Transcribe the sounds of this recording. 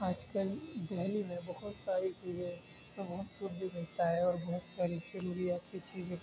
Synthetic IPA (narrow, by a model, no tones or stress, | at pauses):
aːd͡ʒkəlb̪ɛɦlimẽbɐɦʊt̪saːɾit͡ʃiːzẽ | t̪oʋosʊɾd̪inɪt̪aɦɛɔːɾbɐɦʊt̪saːɾid͡ʒɐɾuːɾijaːt̪kit͡ʃiːzẽ